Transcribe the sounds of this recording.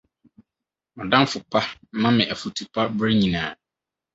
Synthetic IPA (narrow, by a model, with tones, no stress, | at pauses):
ɔ˨dã˦n˦fʊ˨pʰa˦mã˦mɪ̃˨ʔæ˨fu˨tʰu˨pʰa˦bɾe˦ɲĩ˨nãː˨